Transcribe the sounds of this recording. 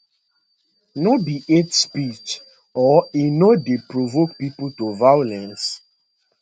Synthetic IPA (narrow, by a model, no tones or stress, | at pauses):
nobiʔetspit͡ʃ | ɔinɔdepɹovokpipultovajolɛ̃ns